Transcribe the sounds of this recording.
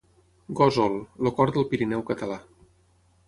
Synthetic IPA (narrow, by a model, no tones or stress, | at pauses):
ɡozɔlˠlokɔɾd̪əlˠpiɾinɛwkət̪əla